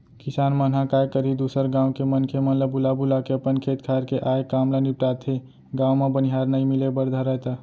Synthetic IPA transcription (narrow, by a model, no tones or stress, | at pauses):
kisanmən̤ɦakajkəɾid̪usəɾɡãw̃kemənkʰemənləbulabulakeəpənkʰet̪kʰaɾkeʔajkamlənip̚ʈat̪ʰe | ɡãwmebəniɦaɾnəjmilebəɾd̪ʱaɾəjt̪ə